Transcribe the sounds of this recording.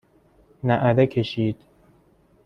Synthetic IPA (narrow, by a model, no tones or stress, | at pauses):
næʔæd̪ekʰeʃiːd̪̥